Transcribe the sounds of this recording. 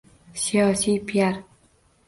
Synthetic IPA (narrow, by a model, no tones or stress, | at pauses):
sijɒːsiːpʰijaɾ